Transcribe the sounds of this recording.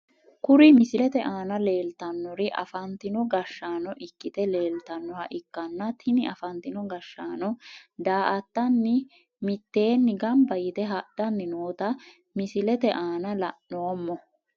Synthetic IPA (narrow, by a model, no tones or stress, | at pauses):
kʊɾɪmɪsɪlɛt̪ɛʔaːnɐle̞ːlt̪ɐnːɔɾɪʔɐ̰fɐnt̪ɪnɔɡɐʃːaːnɔʔɪkːɪt̪ɛle̞ːlt̪ɐnːɔhɐʔɪkːɐnːɐt̪ʰɪnɪʔɐfɐnt̪ɪnɔɡɐʃːaːnɔd̪aːʔɐt̪ːɐnːɪ | mɪt̪ːe̞ːnːɪɡɐmbɐjɪt̪ɛɦɐd̥ɐnːɪnoːt̪ɐ | mɪsɪlɛt̪ɛʔaːnɐlɐʔːoːmːɔ